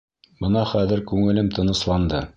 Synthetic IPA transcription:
bɤ̆nɑχæðɘ̆ɾkʉŋɘ̆lɘmt̪ɤ̆nɤ̆slˠɑnd̪ɤ

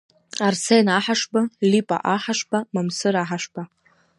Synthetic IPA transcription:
arsejnaħaʂbalipʼa̰ʔaħaʂbamamsɨɾaħaʂb̥a

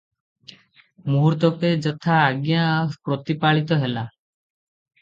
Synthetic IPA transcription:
muɦuɾt̪ɔked͡ʒɔt̪ʰaːɡjapɾɔt̪ipaɭit̪ɔɦela

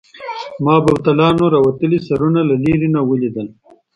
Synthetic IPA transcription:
mɑːbɐwt̪alɑːnoɾɑwɐt̪əlisaɾunalaliɾinawəlid̪əl

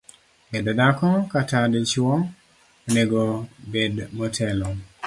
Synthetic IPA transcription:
ɛdɔdakɔkatadet͡ʃɔ | oneɡobedmɔtʰɛlɔ

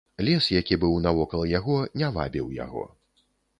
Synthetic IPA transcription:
lʲɛsjakʲibɨwnɐvɔkɐlˠɐjaɣɔnʲava̰bʲiwja̰ɣɔ̰

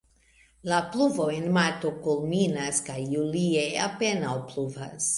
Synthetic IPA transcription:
lapluvo̞enmaɾto̞kulminaskajːulie̞a̰pe̞nawpluva̰s

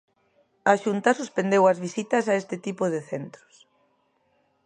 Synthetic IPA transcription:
aʃunt̪asuspend̪ewɐzβisit̪ɐsaest̪ɪt̪ipoðɪθent̪ɾo̥s

